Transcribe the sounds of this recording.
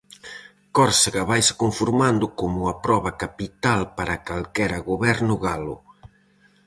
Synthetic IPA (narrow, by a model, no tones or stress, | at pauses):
kɔɾsaɣaβajsɪ̥koɱfuɾmãnd̪ʊkomʊapɾɔβɐkapit̪alpaɾakalkɛɾaɣoβɛɾnʊɣalʊ̰